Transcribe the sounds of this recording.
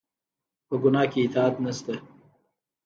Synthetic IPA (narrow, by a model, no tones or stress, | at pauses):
pəɡʊnɑːkeɪt̪ɑːt̪nast̪a